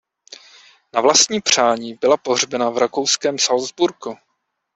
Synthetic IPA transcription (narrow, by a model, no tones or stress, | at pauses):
navlast̪ɲiːpr̝̥aːɲiːbɪlapo̞ɦr̝bɛnavɾakowskɛːmsalzbuɾku